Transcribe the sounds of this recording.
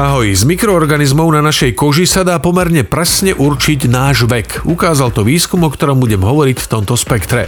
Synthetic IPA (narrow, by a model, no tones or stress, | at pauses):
aɦɔjzmikɾɔɔɾɡanizmɔʊnanaʃɛjkɔʒisad̪aːpɔmɛɾɲɛpɾɛsɲɛʔuɾt͡ʃiɟnaːʒʋɛkukaːzalt̪ɔʋiːskumɔkt̪ɔɾɔmbuɟɛmɦɔʋɔɾicft̪ɔmt̪ɔspɛkt̪ɾɛ̰